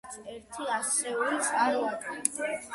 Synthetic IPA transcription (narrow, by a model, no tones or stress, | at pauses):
t̪sʰɛɾt̪ʰiasɛulisʼqʼaɾɔak̪ʼi